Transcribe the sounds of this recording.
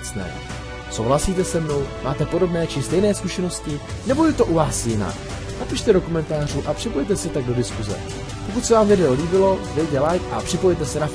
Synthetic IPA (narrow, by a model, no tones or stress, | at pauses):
t͡snɛ̰ː | so̞̰wɦlasiːt̪ɛsɛmno̞wmaːt̪ɛpo̞do̞bnɛːt͡ʃɪst̪ɛjnɛːskuʃɛno̞scɪ | nɛbo̞jɛt̪o̞ʔuvaːsjɪna̰k | napiʃt̪ɛdo̞ko̞mɛnt̪aːr̝uːʔapr̝̥ɪpo̞jt̪̬ɛsɛt̪aɡ̚do̞dɪskuzɛ̰ | po̞kut̪sɛvaːmvɪdɛoliːbɪlo̞vɛjt̪̬ɛlajkʔa̰pr̥ɪpo̞jɛt̪ɛsɛnaf